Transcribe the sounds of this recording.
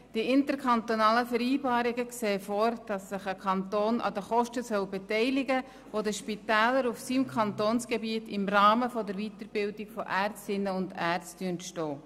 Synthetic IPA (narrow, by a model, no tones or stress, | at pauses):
d̥iɪntəɾkʰɑnt̪ɔnɑːləfəɾiːbɑːɾɪɡəkseːfoːɾd̥ɑsːɪχəkʰɑntoːnʔɑ̰dəχɔʃtəsœwbɛtɛɪlɪɡə | ʋodəʃpitæːləɾufsiːmkʰɑntoːnsɡ̥ɛbiətɪmrɑːməfɔdəɾviːtəɾb̥ɪldɪɡ̥fɔʔært͡stɪnːəʊndæːɾt͡styəntʃtɔː